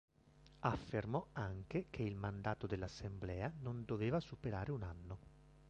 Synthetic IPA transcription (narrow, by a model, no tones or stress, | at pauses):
afːermɔaŋkekʰeilmand̪aːt̪od̪elːasːemblɛːanond̪oveːvasupeɾaːɾeunanːo